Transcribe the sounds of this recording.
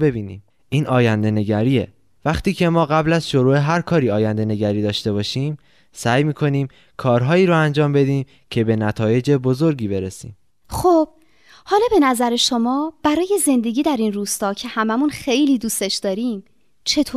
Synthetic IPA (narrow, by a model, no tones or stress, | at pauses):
be̞biːnḭːm | iːnʔɒːjænd̪e̞neɟæɾiːḛ | væxt̪iːcʰe̞mɒːɣæblæzʃoɾuːe̞ɦæɾkʰɒːɾiːɒːjænd̪e̞ne̞ɟæɾiːd̪ɒːʃt̪e̞βɒːʃiːm | sæjmiːkʰo̞niːm | kʰɒːɾɦɒːiːɾoænd͡ʒɒːmbe̞d̪iːm | cʰe̞benæt̪ʰɒːje̞d͡ʒe̞bozo̞ɾɡiːbe̞ɾesḭːm | xob̥̚ | hɒːlɒːbe̞næzæɾeʃo̞mɒːb̥æɾɒːje̞ze̞nd̪e̞ɡiːd̪æɾinruːst̪ɒːcʰe̞hæmæmunxe̞jliːd̪uːst̪e̞ʃd̪ɒːɾiːm | t͡ʃʰe̞t̪ʰoː